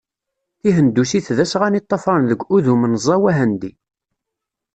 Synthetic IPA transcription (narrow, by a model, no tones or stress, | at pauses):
θiɦənd̪ːusiθðæsʁænit̪ˤːɑfɾˤɑnðəɡʷuðumənzˤːɑwæɦænd̪i